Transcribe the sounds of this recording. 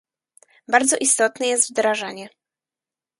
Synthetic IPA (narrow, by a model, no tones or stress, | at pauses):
baɾd̪zɔʔist̪ɔt̪nɛjɛst̪vd̪ɾaʐaɲɛ